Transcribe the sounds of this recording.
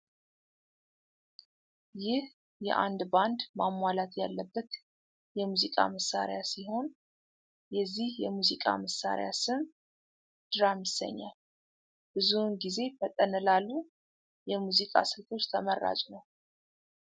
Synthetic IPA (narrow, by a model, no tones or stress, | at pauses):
jɪh | jɛ̰ʔand̪band̪mamːwalat̪jalːəbːət̪ | jɛmuzikʼa̰məsːa̰ɾjasiɦo̞n | jɛzːihjɛmuzikʼa̰məsːa̰ɾḛjasɨm | d̪̥ɨɾamjɪsːə̰ɲːa̰l | b̥ɨzunɡize̞fət̪ʼːənəlalːu | jɛmuzikʼa̰sɨlfo̞t͡ʃːt̪ʰəmərːa̰t͡ʃʼunəw